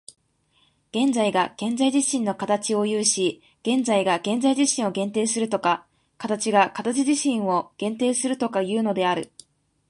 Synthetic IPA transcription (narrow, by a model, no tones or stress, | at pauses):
ɡ̥ẽ̞nd͡zaiɡaɡ̥ẽ̞nd͡zaiʑiɕĩnːo̞kat̪at͡ɕio̞jɯ̟ːɕi | ɡ̥ẽ̞nd͡zaiɡaɡ̥ẽ̞nzaiʑiɕĩɰ̃o̞ɡẽ̞nt̪e̞ːsɨɾɯ̟t̪o̞ka | kat̪at͡ɕiɡakat̪at͡ɕiʑiɕĩɰ̃o̞ɡ̥ẽ̞nt̪e̞ːsɨɾɯ̟t̪o̞kajɯ̟ːno̞d̪e̞aɾɯ̟